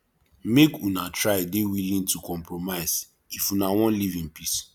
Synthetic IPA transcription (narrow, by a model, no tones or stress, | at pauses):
mekunatʰɹaɪdewilĩntukɔ̃mpɹomaɪz̥ | ifunawɔ̃nlivĩnpis